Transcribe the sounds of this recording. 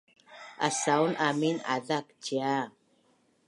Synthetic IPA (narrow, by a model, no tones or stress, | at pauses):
a̰sawnamina̰dak̚t͡ʃia